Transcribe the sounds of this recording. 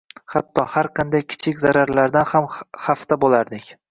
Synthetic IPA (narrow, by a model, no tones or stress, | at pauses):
χat̪ʰːɒhaɾqʰɑnd̪ajkʲʰɪ̥t͡ʃʰɪkʲzaɾaɾlaɾd̪anhamhaft̪ʰabolaɾd̪ɪkʲ